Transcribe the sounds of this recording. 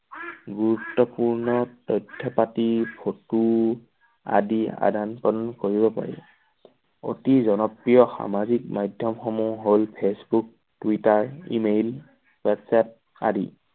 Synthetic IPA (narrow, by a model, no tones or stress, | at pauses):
ɡuɹutːɔpuɹnɔtɔjtʰːɔpatipʰotu | a̰dia̰dʱanpɔdɔnkoɹibɔpa̰ɹɛ̰ | o̰tizɔnɔpɹijɔxa̰mazik̚majdʱjɔmxɔmuɦolpʰesbuk̚ | twitaɹḭmel | wɛtsɛt̚ | a̰dḭ